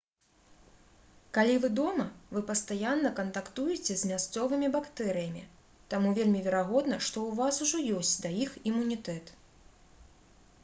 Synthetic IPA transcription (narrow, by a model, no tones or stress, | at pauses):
kalʲivɨd̪ɔmɐvɨpɐst̪ajanːɐkɐnt̪akt̪ujɛt͡sʲɛzʲmʲast̪sɔvɨmʲibakt̪ɛɾɨjɐmʲi | t̪amuvʲelʲmʲivʲɛɾaɣɔd̪nɐʂt̪ɔwvasuʐɔjɔsʲt͡sʲd̪ajiximunʲit̪ɛt̪